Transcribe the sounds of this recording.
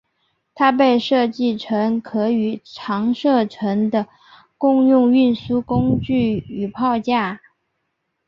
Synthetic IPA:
t̪ʰa˥pe˥˧ɪʂɤ˥˧t͡ɕi˥˩ʈ͡ʂʰə˧˥ŋkʰɤ˧˥y˨˩ʈ͡ʂʰɑ˧˥ŋʂɤ˥˩ʈ͡ʂʰɤ˧˥ŋd̪ə˧ | kʊ˥˧ŋjʊ˥˧ŋy˥˩nsu˥kʊ˥ŋt͡ɕy˥˩y˨˩pʰɑ˥˧ʊt͡ɕja˥˩

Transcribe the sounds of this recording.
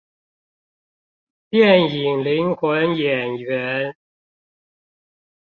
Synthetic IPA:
pjɛ˥˩ni˨˩ŋli˨˦˥ŋxwə˨˧˦njɛ˨˩nɥɛ˨˦n

